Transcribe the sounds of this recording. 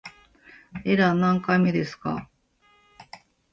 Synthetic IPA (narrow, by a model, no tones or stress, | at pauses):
e̞ɾanãŋkaime̞d̪e̞sɨ̥ka̰